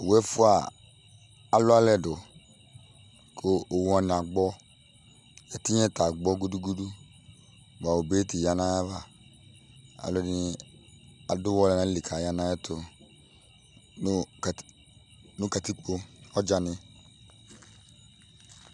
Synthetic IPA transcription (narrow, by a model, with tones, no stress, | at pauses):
wɛ˦fʊ˦a˨ | a˨lʊ˦a˦lɛ˦dʊ˨ | kʰʊ˦o˨wa˨n˨a˨ɡ͡bɔ˦ | jɛ˨ti˦ɲɛ˦ta˨ɡ͡bɔ˦ɡu˦du˦ɡu˦du˦ | ba˨o˨be˦tɪ˨ja˦nã˦ja˦va˨ | a̰˨lʊ˨˦n˦ | a˨dʊ˦wɔ˦lɛ˦nã˦li˨kʰa˨ja˦nã˦jɛ˦tʰʊ˨˦˨ | nʊ˦ka˨ti˦k͡po˦ɔ˦d͡ʒa˨nɪ̃˦